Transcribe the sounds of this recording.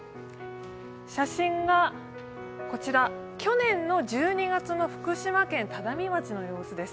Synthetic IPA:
ɕaɕĩŋɡa | ko̞t͡ɕiɾakʲo̞nẽ̞nːo̞d͡ʑɨːɲ̟iɡat͡sɨno̞ɸɯ̟̥kɯ̟ɕimakẽ̞nt̪ad̪amʲimat͡ɕino̞jo̞ːsɨd̪e̞sɨ̥

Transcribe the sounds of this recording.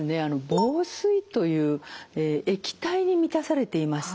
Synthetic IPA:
ɨne̞ano̞boːsɨit̪o̞jɯ̟ːeːekʲi̥t̪aiɲ̟imʲit̪asaɾe̞t̪e̞imasɨ̥

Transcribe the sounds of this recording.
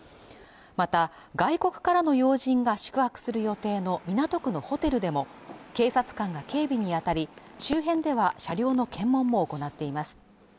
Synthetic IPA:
mat̪a | ɡaiko̞kɯ̟̥kaɾano̞jo̞ːʑĩŋɡaɕi̥kɯ̟hakɯ̟̥sɨɾɯ̟jo̞t̪e̞ːno̞mʲinat̪o̞kɯ̟no̞ho̞t̪e̞ɾɯ̟d̪e̞mo̞ | ke̞ːsat͡sɨ̥kãŋɡake̞ːbʲiɲ̟iat̪aɾʲi | ɕɨːɦẽ̞nd̪e̞β̞aɕaɾʲo̞ːno̞kʰẽ̞mːõ̞mːoːko̞nat̪ːe̞imasɨ̥

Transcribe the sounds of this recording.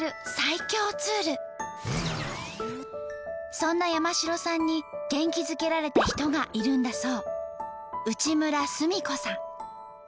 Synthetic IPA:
ɾɯ̟saikʲo̞ːt͡sɨːɾɯ̟ | sõ̞nːajamaɕiɾo̞sãɲ̟ːiɡ̥ẽ̞ŋkʲizɨke̞ɾaɾe̞t̪eçi̥t̪o̞ɡaʔiɾɯ̟̃nd̪aso̞ː | ɯ̟t͡ɕimɯ̟ɾasɨmʲiko̞sãŋ

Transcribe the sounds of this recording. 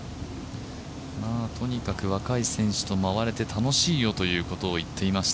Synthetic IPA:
maːt̪ʰo̞ɲ̟ikakɯ̟βakaisẽ̞ɰ̃ɕɨ̥t̪o̞maβaɾe̞t̪e̞t̪ʰano̞ɕiːjo̞t̪o̞jɯ̟ːko̞t̪o̞ːit̪ʰːe̞imaɕi̥t̪

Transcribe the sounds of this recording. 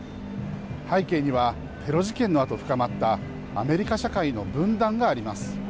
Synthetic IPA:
haike̞ːɲ̟iβ̞a | t̪ʰe̞ɾo̞ʑikẽ̞nːo̞at̪o̞ɸɯ̟̥kamat̪ːaː | me̞ɾʲikaɕakaino̞bɯ̟̃nd̪ãŋɡaːɾʲimasɨ̥

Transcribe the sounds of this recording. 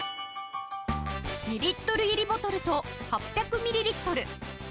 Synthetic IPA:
mʲiɾʲit̪ːo̞ɾɯ̟iɾʲibo̞t̪o̞ɾɯ̟t̪o̞ | hapʲjakɯ̟mʲiɾʲiɾʲit̪ːo̞ɾɯ̟

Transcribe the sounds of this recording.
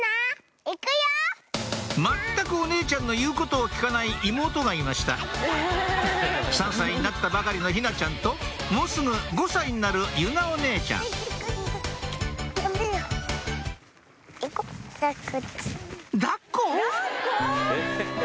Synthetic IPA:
a | ikɯja | mat̪ːakɯ̟o̞ne̞ːt͡ɕãnːo̞jɯ̟ːko̞t̪o̞ːkʲi̥kanaiʔimo̞ːt̪o̞ɡaimaɕi̥t̪a̰ | sãɰ̃saiɲ̟inat̪ːabakaɾʲino̞çinat͡ɕãnt̪o̞ | mo̞ːsɨɡɯ̟ɡo̞saiɲ̟inaɾɯ̟jɯ̟naone̞ːt͡ɕã̰ | kakɯ | d̪akːo

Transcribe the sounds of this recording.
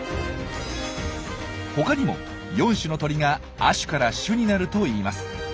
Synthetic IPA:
ho̞kaɲ̟imo̞̰ | jõ̞ɰ̃ɕɨno̞t̪o̞ɾʲiɡa | aɕɨ̥kaɾaɕɯɲ̟inaɾɯ̟t̪o̞iːmasɨ̥

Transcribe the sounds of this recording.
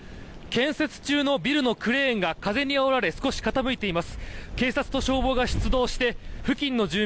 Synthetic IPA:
kẽ̞ɰ̃se̞t͡sɨ̥t͡ɕɨːno̞bʲiɾɯ̟no̞kɯ̟ɾẽ̞ːŋɡakaze̞ɲ̟iaoɾaɾe̞sɨ̥ko̞ɕi̥kat̪amɯ̟it̪e̞imasɨ̥ke̞ːsat͡sɨ̥t̪oɕo̞ːbo̞ɡaɕi̥t͡sɨd̪o̞ːɕi̥t̪e̞ɸɯ̟kʲĩnːo̞d͡ʑɨː

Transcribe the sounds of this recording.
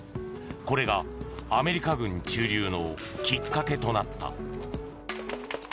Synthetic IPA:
ko̞ɾe̞ɡaːme̞ɾʲikaɡɯ̟̃ɲ̟t͡ɕɨːɾʲɨːno̞kʲikːake̞t̪o̞nat̪ːa̰

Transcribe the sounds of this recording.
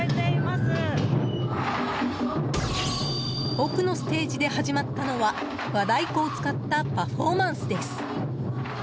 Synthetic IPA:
et̪eimasɨ | okɯ̟no̞sɨ̥t̪e̞ːʑid̪e̞haʑimat̪ːano̞βa | βad̪aiko̞ːt͡sɨ̥kat̪ːapaɸo̞ːmãɰ̃sɨd̪e̞sɨ̥

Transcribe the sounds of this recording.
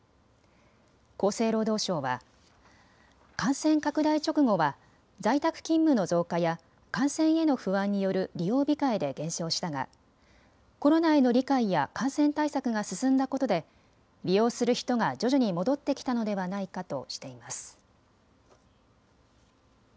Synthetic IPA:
ko̞ːse̞ːɾo̞ːd̪o̞ːɕo̞ːβa̰ | kãɰ̃sẽ̞ŋkakɯ̟d̪ait͡ɕo̞kɯ̟ɡo̞βa | zait̪akɯ̟̥kʲĩmːɯ̟no̞zo̞ːkaja | kãɰ̃sẽ̞ɰ̃e̞no̞ɸɯ̟βãɲ̟ːijo̞ɾɯ̟ɾʲijo̞ːbʲikaid̪e̞ɡẽ̞ɰ̃ɕo̞ːɕi̥t̪aɡa̰ | ko̞ɾo̞nae̞no̞ɾʲikaija̰kãɰ̃sẽ̞nt̪aisakɯ̟ɡasɨsɨ̃nd̪ako̞t̪o̞d̪e̞ | ɾʲijo̞ːsɨɾɯ̟çi̥t̪o̞ŋad͡ʑo̞ʑoɲ̟imo̞d̪o̞t̪ːe̞kʲi̥t̪ano̞d̪e̞βanaikat̪o̞̰ɕi̥t̪e̞imasɨ̥

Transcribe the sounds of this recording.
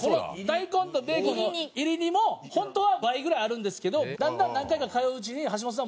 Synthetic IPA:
ko̞nod̪aikõ̞nt̪obe̞ːkonoiɾʲiɲ̟imo̞hõ̞nt̪oːβabaiɡɯ̟ɾaiaɾɯ̟̃nd̪e̞sɨ̥ke̞d̪o̞d̪ãnd̪ãnːãŋkaikakajoːɯt͡ɕiɲ̟iɦaɕ̬imas̬ɨna

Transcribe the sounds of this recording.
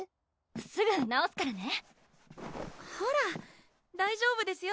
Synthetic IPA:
sɨɡɯ̟naosɨ̥kaɾane̞ | hoɾa | d̪aiʑo̞ːbɯ̟d̪e̞sɨjo

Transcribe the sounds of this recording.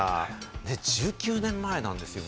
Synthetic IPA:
ane̞d͡ʑɨːkʲɨːnẽ̞mːae̞nã̰nd̪e̞sɨjo̞

